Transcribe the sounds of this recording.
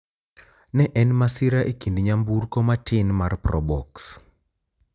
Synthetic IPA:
nɛʔɛnmasɪɾaʔekindɲamburkɔmatʰɪnmarprɔbɔks

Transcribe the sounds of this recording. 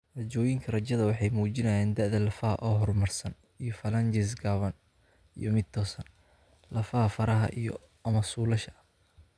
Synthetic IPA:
rɐt͡ʃɔːjɪŋkʰɐrɐt͡ʃɐðɐwɑħɑjmuːt͡ʃɪnɐjɛːnd̪ɐʕðɐlɐfɐɦɐ̰ʔɔːɦɔrmɐrsɐn | ijɔfɐlɐnt͡ʃɛs̬ɡaːβɐn | ḭjɔmɪd̪̚t̪ʰɔːsɐn | lɐfɐhɐfɐɾɐɦɐ̰ʔijɔ̰ | ɐmɐsuːlɐʃɐ

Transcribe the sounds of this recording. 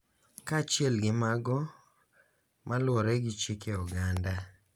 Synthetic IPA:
kat͡ʃɪɛlɡɪmaɡɔ | mʔalwɔɾɛɡɪt͡ʃikeɔɡanda

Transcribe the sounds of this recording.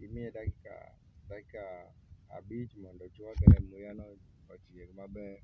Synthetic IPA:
imiɛdakika̰ | dakika̰ː | bit͡ʃmɔndɔt͡ʃiwaɡaɛmujanɔ | ɔt͡ʃiɛkmabɛ

